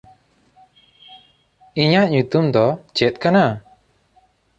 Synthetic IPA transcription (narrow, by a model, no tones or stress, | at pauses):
iɲaʔɲut̪umd̪ɔt͡ʃɛt̪̚kana